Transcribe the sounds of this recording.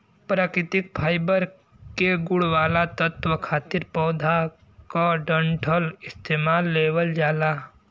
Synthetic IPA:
pɾaːkɾɪt̪ɪk̚pʰaːjbəɾ | keɡʊɽʋaːlat̪ət̪ʋəkʰaːt̪ɪɾpɔːd̪ʱa | kaɖə̃ɳʈʰəlɪst̪eːmaːlːeːwəld͡ʒaːla

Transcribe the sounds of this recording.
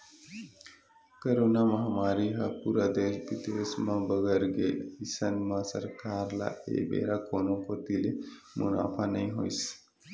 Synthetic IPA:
kəɾoːnamãɦɐmaːɾiɦɐpuːɾad̪eːʃbit̪esmãbəɡəɾɡeisənmãsɐɾkaːɾla̰ḛːbḛːɾakoːnõkot̪ile | mṵna̰ːfʰanɐĩɦo̰js

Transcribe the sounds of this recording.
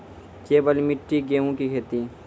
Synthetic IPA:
t͡ʃeːbəlmɪʈːiɡeːũkikʰeːt̪i

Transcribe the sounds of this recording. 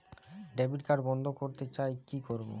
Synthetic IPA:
ɖɛbiʈkaɾbɔnd̪ʱokoɾt̪et͡ɕaekikoɾbo̰

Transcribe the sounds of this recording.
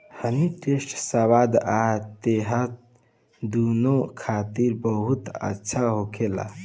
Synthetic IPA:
həniʈesʈsəwad̪at̪eɦət̪̚ | d̪unokʰat̪iɾbəɦut̪ə̰tːʃʰaɦokʰela̰

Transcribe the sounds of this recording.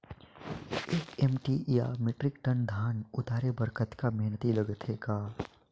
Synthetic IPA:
eːkɛmʈija̰mɪʈɾɪkʈənd̪ʱaːnʊt̪aːɾebəɾkət̪kamɛɦnət̪iləɡət̪ʰɦeːɡaː

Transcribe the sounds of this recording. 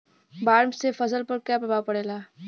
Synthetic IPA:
baːɾmsefɐzəlpəɾkjaːpɾɐbaːpɐɽeːlaː

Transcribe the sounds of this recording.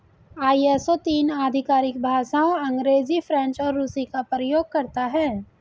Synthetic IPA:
aːiesot̪iːnaːd̪ʱɪkaːɾɪkbʱaːʃaõɐ̃ŋɡɾeːzifʰɾɛ̃nt͡ʃɔːɾːuːsikapɾəjoːɡ̚kɐɾt̪aɦɛː

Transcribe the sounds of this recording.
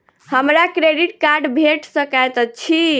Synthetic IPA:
həmɾakɾeɖiʈkaɾɖbʱeʈsəkajt̪ət͡ʃʰi

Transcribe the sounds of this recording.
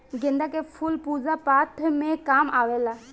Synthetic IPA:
ɡĩnd̪akepʰulpud͡zapat̪ʰmẽkamaʋela

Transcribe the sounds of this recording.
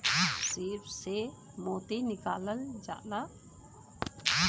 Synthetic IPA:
sipse | moːt̪enɪkaːləld͡ʒa̰ːʔla

